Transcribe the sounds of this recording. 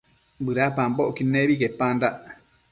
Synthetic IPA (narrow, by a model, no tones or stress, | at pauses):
bɨɾapãmboʔkinẽβikepãndaʔ